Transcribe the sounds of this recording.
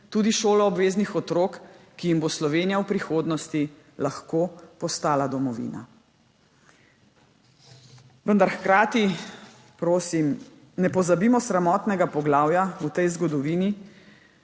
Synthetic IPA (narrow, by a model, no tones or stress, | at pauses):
t̪uːd̪iʃoːlɔɔbʋeːznixɔt̪ɾoːk | kːijimboslɔʋeːnijawpɾixoːd̪nɔst̪i | laxkoːpɔst̪aːlad̪ɔmɔʋḭːna̰ | ʋənd̪aɾxkɾaːt̪i | pɾoːsim | nɛpɔzabimɔsɾamɔːt̪nɛɡapɔɡlaːwjaut̪ɛjzɡɔd̪ɔʋiːni